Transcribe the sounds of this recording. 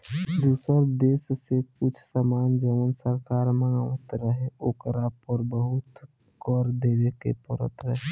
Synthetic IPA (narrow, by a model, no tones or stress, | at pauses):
d̪uːsəɾd̪eːssekʊt͡ʃʰsəmaːnd͡ʒəʋənsəɾkaːɾməŋɡaʋət̪ɾəɦeoːkəɾapɔɾbəɦʊt̪ | ɡɔːɾd̪eːɾekḛpəɾə̰t̪ɾəɦe